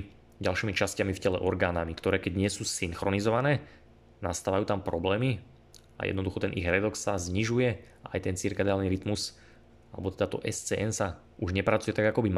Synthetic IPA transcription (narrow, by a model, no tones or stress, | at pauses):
ɟalʃiːmit͡ʃascamifcɛlɛ̰ʔɔɾɡaːnamikt̪ɔɾɛːkɛɟɲɪɛsuːsiŋxɾɔnizɔʋanɛː | nast̪aːʋajuːt̪ampɾɔblɛːmi | a̰jɛ̰d̪nɔd̪uxɔt̪ɛnʔḭɣɾɛd̪ɔkssazɲiʒujɛ | a̰jt̪ɛnt͡siɾkɛd̪aːlniɾit̪mus | alɛ̰bɔt̪ɛd̪at̪ɔʔɛst͡sɛːʔɛnsa | uʒɲɛpɾat͡sujɛt̪aɡakɔbim